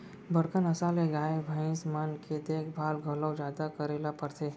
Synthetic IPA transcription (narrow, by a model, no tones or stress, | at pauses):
bəɽkənəsaːleɡaːebʱaɪ̃smanked̪eːkʰbʱaːlɡʱəlɔwd͡ʒjaːd̪akəɾeːlapəɾt̪ʰeː